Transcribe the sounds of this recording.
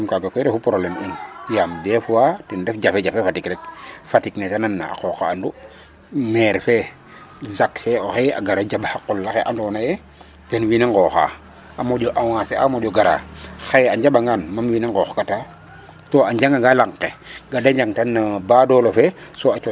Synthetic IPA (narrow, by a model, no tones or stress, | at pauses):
mkaɡakɔɾɛfupɾoblɛminjamdɛfuwatɛndɛfɟafɛd͡ʒafefatikɾɛk̚fatiknetananːa̰a̰kɔkaːndu | mɛːɾfɛ | zakfɛoxea̰ɡaɾad͡ʒabhaqulːaxeʔandɔːnajɛ | tɛnwineŋɡɔːxa̰ | ʔamoɟɔʔaw̃asea̰moɟɔɡaɾa̰xejaɲɟabaŋɡanmamwineŋɡɔːxkata | toaɲɟaŋɡaŋɡalaŋqeɡadaɲd͡ʒaŋtanːabaːdɔlofɛsoat͡ʃɔ